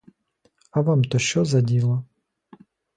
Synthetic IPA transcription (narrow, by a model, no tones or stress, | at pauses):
ɐʋamt̪ɔʃt͡ʃɔzɐdʲilˠɐ